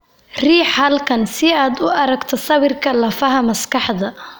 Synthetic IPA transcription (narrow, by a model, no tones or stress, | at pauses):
riːħhɐlkʰɐnsɪaːd̪ʊɐɾɐɡt̪ʰɔsɐβɪrkʰɐlɐfɐɦɐmɐskɑħd̪ɐ